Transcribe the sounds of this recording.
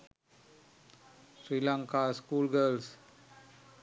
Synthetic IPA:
sɾiːlaŋkaːskuːlɡəːls

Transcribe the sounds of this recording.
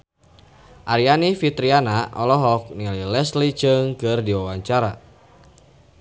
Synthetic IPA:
ʔaɾianifit̪ɾianaʔɔlɔɦɔk̚nililɛslit͡ʃəŋkɨrdiwawaɲt͡ʃaɾa

